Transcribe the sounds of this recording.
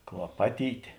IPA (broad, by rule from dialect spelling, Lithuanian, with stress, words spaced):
klˠɐˈpɑːtʲiːtʲeː